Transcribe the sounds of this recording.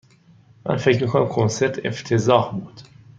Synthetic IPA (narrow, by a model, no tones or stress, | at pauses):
mæ̰nfecɾmiːkʰonæmkʰonse̞ɾt̪ʰe̞̰ft̪ʰezɒːhbuːd̪̥